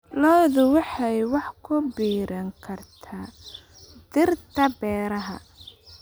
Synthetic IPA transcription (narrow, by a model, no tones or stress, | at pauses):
lɔːðʊwɑħɑjwɑħkʰʊbiːɾɐŋkʰɐrt̪ʰaː | d̪ɪrt̪ɐbɛːɾɐɦɐ̰